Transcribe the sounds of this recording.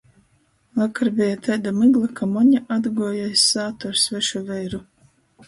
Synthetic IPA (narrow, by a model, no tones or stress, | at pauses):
vˠakaɾbʲɛjat̪ʰɛjd̪amɨɡlˠakamɔɲaʔad̪ɡɔɔjajsaːt̪ɔɾsvɛʃuvɛjɾu